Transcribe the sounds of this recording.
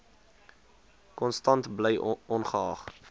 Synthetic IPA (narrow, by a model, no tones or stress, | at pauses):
kɔnstɐntbləjɔnχəɑːχ